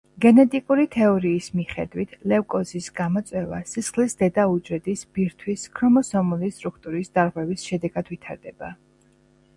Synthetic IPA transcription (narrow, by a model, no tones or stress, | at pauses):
ɡɛnɛt̪ʼikʼuɾit̪ʰɛɔɾiːsmiχɛd̪wit̪ʰlɛfkʼɔzisɡamɔt̪sʼwɛva̰sisχlisd̪ɛd̪aud͡ʒɾɛd̪isb̥iɾt̪ʰwiskʰɾɔmɔsɔmulist̪ʼɾukʰt̪ʼuɾisd̪aɾʁwɛvisʃɛd̪ɛɡad̪̥vit̪ʰaɾd̪ɛb̥a